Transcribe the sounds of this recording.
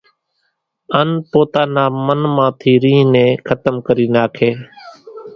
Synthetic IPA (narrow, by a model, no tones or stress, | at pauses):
ənpoːt̪aːnaːmənmãːt̪ʰiːɾĩːnẽːkʰət̪əmkəɾiːnaːkʰeː